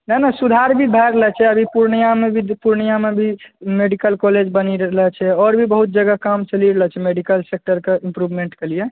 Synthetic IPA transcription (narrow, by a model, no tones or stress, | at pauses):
nənasud̪ʱaɾbʱibʱɛɾəlɛt͡ʃʰɛəbʱipuɾnijamebʱipuɾɳijamebʱimeɖikəlkɔled͡ʒbəniɾəlɛt͡ʃʰɛɔɾbʱibəɦut̪̚d͡ʒəɡakamt͡ʃəliɾəlɛt͡ʃʰɛmeɖikəlsek̚ʈəɾkeĩmpɾubʱmeɳʈkelije